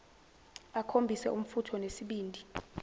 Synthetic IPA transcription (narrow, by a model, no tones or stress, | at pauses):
akʰombʱisɛʔum̩futʰɔnesiɓiːndʱi